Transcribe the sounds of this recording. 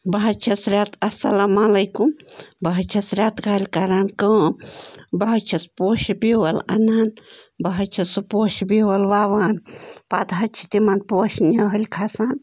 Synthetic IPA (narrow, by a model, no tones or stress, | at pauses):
bɐɦɐt͡ʃʰɐsɾʲaːt̪ɐsɐlamalɐjkumbɐɦɐt͡ʃʰɐsɾʲaːt̪kalʲkɐɾaːnkə̃ːmbɐɦɐt͡ʃʰɐspoːʃbiwɐlɐ̰naːnbɐɦɐt͡ʃʰɐsɨpoːʃbiwɐlʋaːʋaːnpaːd̪ɦɐt͡ʃʰi̥t̪imɐnpoːʃnʲɐɦɐlʲkʰasaːn